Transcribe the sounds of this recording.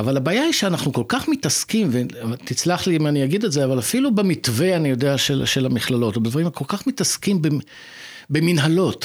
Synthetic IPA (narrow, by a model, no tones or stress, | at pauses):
avalabaːjaiʃeanaχnuko̞lkaχmitaskimvetit͡slaχlimaniaɡid̪etzeavalafilubemitve̞anijo̞deaʃelʃelamiχlalo̞tobed̪vaʁimakʰo̞lkaχmitaskimbe | beminɦalo̞t